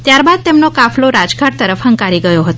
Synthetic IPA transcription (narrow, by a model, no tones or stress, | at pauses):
t̪jaɾbad̪̚t̪emnokafloɾad͡ʒɡʱaɽ̚t̪əɾəfɦəŋkaɾiɡəjoɦət̪o